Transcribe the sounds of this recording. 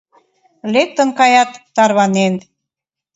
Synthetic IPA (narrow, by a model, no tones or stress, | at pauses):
lek̚t̪ə̆nkɑjɑt̪ːɑrβɑnen